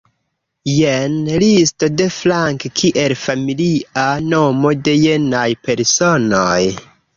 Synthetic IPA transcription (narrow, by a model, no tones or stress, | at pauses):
jenlisto̞de̞flaŋkkʰiʔe̞lfamiliano̞mo̞de̞jenajpe̞ɾsonoj